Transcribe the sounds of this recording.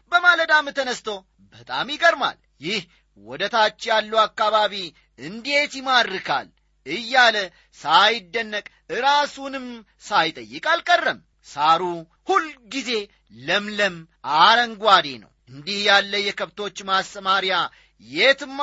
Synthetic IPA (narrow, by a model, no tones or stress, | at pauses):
bəmaləd̪amːɨt̪ənəst̪əw | bət̪ʼa̰mjɪɡəɾma̰l | jɪh | wɔd̪ət̪ʰat͡ʃːjalːuakːaβaβi | ɨnd̪e̞t̪jɪmad̪ɾɨkʰa̰l | ɨjːalə | sajɪd̪ːənːəkʼ | ɨɾasunɨm | sajt̪ʼəjːɪkʼalkʼərːəm | saɾu | hulːɡize̞ | ləmləm | aɾəŋɡʷwad̪enə̰wʔɨnd̪ihjalːəjɛkʰəβt̪ʰo̞t͡ʃːmastəmaɾja | jet̪ɨmː